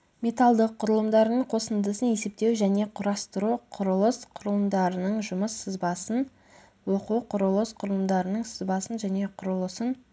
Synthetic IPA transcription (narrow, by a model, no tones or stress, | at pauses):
mʲe̞t̪ɑlˠd̪əqʰːʊɾəlˠəmd̪ɑɾənəɴqʰo̞sənd̪əsəne̞se̞p̚t̪e̞wʒæne̞qʰʊɾɑst̪əɾuqʰʊɾəlˠəsqʰʊɾəlˠəmd̪ɑɾənəɴʒʊməsəzbɑsən | woquqʰʊɾəlˠəsqʰʊɾəlˠəmd̪ɑɾənəɴsəzbɑsənʒæne̞qʰʊɾəlˠəsən